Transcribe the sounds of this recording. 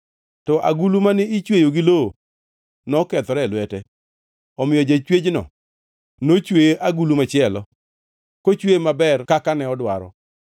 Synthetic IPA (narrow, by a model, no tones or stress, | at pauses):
tɔʔa̰ɡulumanɪit͡ʃwejoɡilo | nɔkɛt̪ɔɾɛlwɛtɛ | ɔmɪjɔd͡ʒat͡ʃwed͡ʒnɔ̰ | not͡ʃweʔaɡulumat͡ʃɪɛlɔ | kot͡ʃwemabɛrkakanɛɔdwa̰ɾɔ̰